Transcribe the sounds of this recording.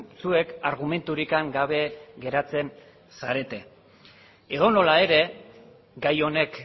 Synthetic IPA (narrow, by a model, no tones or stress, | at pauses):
sue̞kaɾɣ̞ume̞nt̪uɾikaŋɡaβe̞ɡe̞ɾat͡se̞n | saɾe̞t̪e̞ | e̞ðo̞no̞lae̞ɾe̞ | ɡajo̞ne̞k